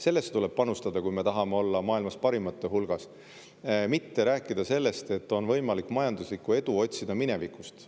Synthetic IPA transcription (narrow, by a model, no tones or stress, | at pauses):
se̞lːe̞st̪ule̞b̥̚pɑnust̪ɑd̪̥ɑkujme̞t̪ɑɦɑme̞o̞lːɑmɑːilmɑspɑɾimɑt̪ːˑeɦulɡ̥ɑs | mit̪ːe̞ɾæːkːˑid̪̥ɑse̞lːe̞st̪e̞t̪ːo̞nvɤ̞jmɑlikːˑmɑjɑnd̪uslikːue̞d̪uo̞t̪ʲsid̪ɑmine̞vikˑust̪